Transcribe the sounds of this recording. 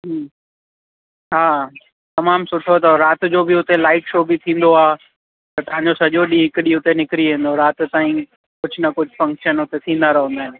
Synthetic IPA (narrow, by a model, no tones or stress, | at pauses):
ɦ | ɦaː | t̪ɐmaːmsʊʈʰot̪ɐɾaːt̪d͡ʑoːbɪʊt̪elaːɪʈʃoːbɪt̪ʰĩːn̆d̪oaː | t̪ɐt̪ɐãːɲd͡ʑosɐʄoɗiɦɪkɗiʊt̪enɪkɾiʋẽːnd̪oɾaːt̪t̪aːĩ | kʊd͡ʑʱʊnɐkʊd͡ʑʱʊfɐ̃ŋkʃənʊt̪et̪ʰĩːn̆d̪aɾɐɦə̃nd̪aːɦɪn